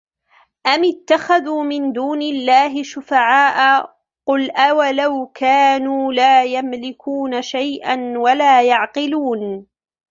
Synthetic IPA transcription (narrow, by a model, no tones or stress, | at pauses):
ʔamɪt̪ːaxaðuːmɪnd̪uːnɪlːaːɦɪʃʊfaʕaːʔa | qʊlʔawalawkʰaːnuːlaːjamlɪkuːnaʃajʔanwalaːjɑʕqɪluːn